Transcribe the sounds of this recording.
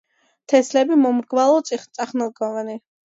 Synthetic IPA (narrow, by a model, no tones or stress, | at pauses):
t̪ʰɛslɛbimɔmɾɡvalˠɔt̪sʼiχt̪ʼaχnɛlˠɡɔvani